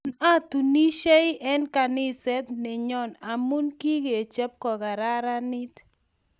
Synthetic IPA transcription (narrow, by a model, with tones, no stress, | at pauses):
na˦t̪u˨ni˦ʃe˦ɪ˦ʔɛ˦nka˨nɪ˦sɛ˦t̪nɪ˨ɲɔ˦˨na˨mu˦nki˦ɡe˨e˨t͡ʃɛ˦p̚kɔ˨ɡa˨ɾa˦ɾa˦nɪ˦t̪